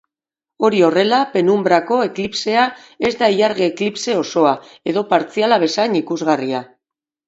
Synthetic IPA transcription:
o̞ɾio̞re̞lape̞numbɾako̞e̞klipse̞a | e̞zd̪aiaɾɣeːklipse̞o̞so̞a | e̞ðo̞paɾt͡sialaβ̞e̞saenikuzɣaria

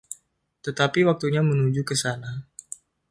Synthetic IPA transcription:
t̪ət̪apiwak̚t̪uɲamənud͡ʒukəsana

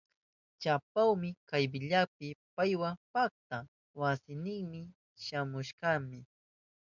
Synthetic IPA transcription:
t͡ʃapawmɪkajbɪʎap̚ɪpajwapak̚t̪a | wasɪnɪŋmɪ | ʃamʊʃɢɑmɪ

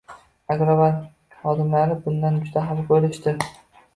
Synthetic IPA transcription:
aɡɾavaɾ | χɒd̪ɪmlaɾɪbʊnd̪and͡ʒʊd̪aɦalqolɪʃt̪ɪ

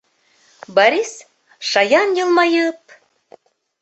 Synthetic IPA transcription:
bɑɾʲis | ʃɑjɑnjɤlˠmɑjɤp̚

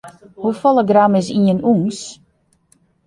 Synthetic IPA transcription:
hufɔlˠəɡramɪs̬iənuŋs

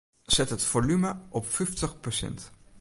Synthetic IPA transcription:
z̥ɛtɦətfolyməɔpfɪjftəχpɔsɛ̰nt

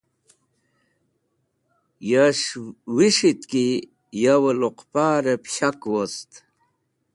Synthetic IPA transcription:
jaʂwiʂit̪ki | jawəloqpaːɾepɕakwost̪

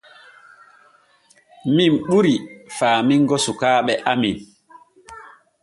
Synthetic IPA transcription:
mimɓuɾifaːmiŋɡɔsukaːɓɛʔamin

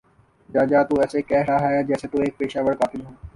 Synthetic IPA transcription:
d͡ʒaːd͡ʒaːt̪uːɛːsekɛːɾaɦaːjad͡ʒɛːset̪uːeːk̚peːʃaːʋəɽkaːt̪ɪlɦõː

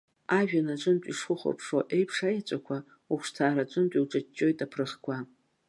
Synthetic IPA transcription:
aʒᶣanat͡ʃʷʼɨntʷʼiʂχʊχʷo̰pʰʂoʔejpʰʂajat͡ʃʷʼakʷʰa | uχʷʂtʰaːɾat͡ʃʷʼɨntʼiwʈ͡ʂʼat͡ʃʼːo̞jtʼapʰrɨχkʷʰa

